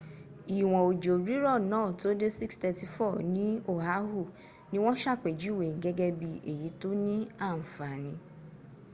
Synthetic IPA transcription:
i˨w̃ɔ̃˨o˨d͡ʒo˨ɾi˨˦ɾɔ˦˨nɔ̃˨˦˨to˨˦de˦si˦kstɛ˧ti˨fɔ˦˨nĩ˦o˦˨ɦa˨˦ɦu˦˨ | nĩ˦w̃ɔ̃˦ʃa˦˨k͡pe˨d͡ʒi˦˨we˨ɡɛ˦ɡɛ˧bi˧e˨ji˨˦to˦nĩ˦a˦˨n̩˨fa˨nĩ˧

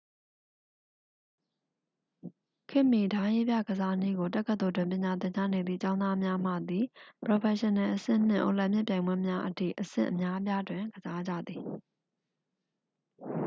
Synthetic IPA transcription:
kʰɪ̃˦˨mi˨dã˦je˦bja̰˦˨ɡəza˦n̥i˦˨ɡo˨t̬ɛ˦ʔkːə˦t̪o˨dwɪ̃˨mp̬jɪ̃˨ɲa˨t̪̬ɪ̃˨ɲd͡ʑa̰˦˨ne˨d̪ðḭ˦˨t͡ɕã˦ʊ̃nd̪a˦mja˦m̥ä̰˦˨d̪i˨pɹo˨pʰɛ˨ʃɪ˨nɛ̃˨ʔəsɪ̰̃˦˨n̥ɪ̰̃˦˨ʔo̰˨lɛ˦˨mjɪ˦ʔpjã˨ɪ̃mbwɛ˦mja˦ʔətʰḭ˦˨ʔəsɪ̰̃˦˨ʔə˨mja˦p̬ja˦dwɪ̃˨ɡəza˦d͡ʑä̰˦˨d̪ði˨

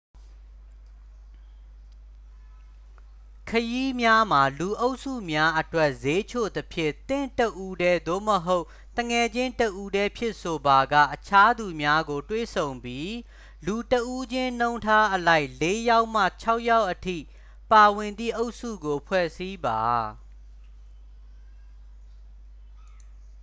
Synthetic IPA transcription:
kʰəji˦mja˦m̥a˨lu˨ʔo˦ʊʔsṵ˦˨mja˦ʔətwɛ˦˨ʔze˦t͡ɕʰo̰˦˨d̪əpʰjɪ̰̃˦˨t̪ɪ̰̃˦˨təʔu˦dɛ˦d̪o̰˦˨məɦo˦ʊʔ | t̪əŋɛ˨d͡ʑɪ̃˦təʔu˦dɛ˦pʰjɪ˦˨ʔso˨ba˨ɡä̰˦˨ʔət͡ɕʰa˦d̪u˨mja˦ɡo˨twḛ˦˨sʰõ˨ʊ̃mpji˦ | lu˨təʔu˦d͡ʑɪ̃˦n̥õ˦ʊ̃tʰa˦ʔəla˦ɪʔle˦ja˦ʊʔm̥a̰˦˨t͡ɕʰa˦ʊʔja˦ʊʔətʰḭ˦˨ | pa˨wɪ̃˨nd̪ḭ˦˨ʔo˦ʊʔsṵ˦˨ɡo˨pʰwɛ̰˦˨si˦ba˨

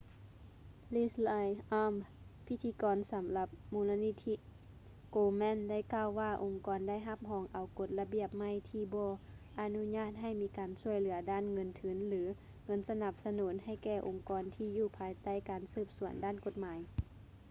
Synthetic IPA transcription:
liː˧˩sla˧jʔaː˧˥m | pʰi˧˥t̪ʰːiː˧˦kɔː˨nsa˨˦mla˧p̚muː˧˦la˧ni˧t̪ʰi˧ | koː˧mɛ˧˥˨nda˥˩jkaː˧˨wːaː˧˩ʔo˨˩ŋkɔː˨˦nda˥˨jɦa˧p̚ɦɔː˨˦ŋʔa˨wko˧˦t̪̚la˧bi˧˩əp̚ma˧˩˨jt̪ʰiː˧˩bɔː˧ʔa˧nu˧˥ɲaː˧˥˩t̪̚ɦa˧˩jmiː˧˥kaː˨nsu˧˩əjlɯ˨˩˦ɐdaː˥˨nŋɤ˧˥nt̪ʰɯ˨˩˦nlɯː˨˦ | ŋɤ˧˥˨nsa˧na˧˩p̚sa˧nuː˨˩˦nha˧˥˩jkɛː˧˩ʔo˨ŋkɔː˨nt̪ʰiː˧juː˧˩pʰaː˨˦jt̪a˥˩jkaː˨nsɯː˧˩p̚su˨˩˦əndaː˧˥˩nko˧t̪̚maː˨˦j

